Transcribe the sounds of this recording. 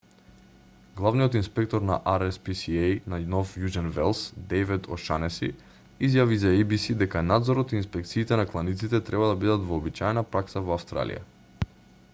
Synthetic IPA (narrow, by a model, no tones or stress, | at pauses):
ɡlˠavnijɔt̪inspɛk̚t̪ɔɾna̰ʔaɾɛspisiejnanɔfjuʒɛnvɛlˠsd̪ɛjvɛd̪ɔʃanɛsḭ | izjavizaibisid̪ɛkanad̪zɔɾɔt̪iːnspɛk̚t̪siːt̪ɛnaklˠanit̪sit̪ɛt̪ɾɛbad̪abid̪at̪vɔːbit͡ʃaɛnapɾaksavɔafst̪ɾa̰lḭja̰